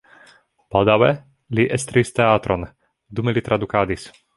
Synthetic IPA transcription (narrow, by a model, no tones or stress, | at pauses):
pad̪awɛ | liʔɛst̪ɾist̪ɛaːt̪ɾɔn | d̪umilit̪ɾʔad̪ukaːd̪is